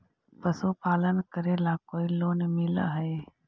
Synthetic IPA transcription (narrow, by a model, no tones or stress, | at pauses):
pəsupaːlənkəɾelakoːiloːnmɪl̰ɦə